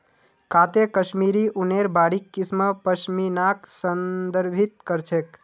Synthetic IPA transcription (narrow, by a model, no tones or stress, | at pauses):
kat̪ekəʃmiɾiʔuneɾbaɽikːisməpəʃminaksənd̪əɾbʱit̪̚kəɾt͡ʃʰek